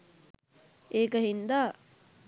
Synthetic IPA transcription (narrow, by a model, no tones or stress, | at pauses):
eːkəɦind̪aː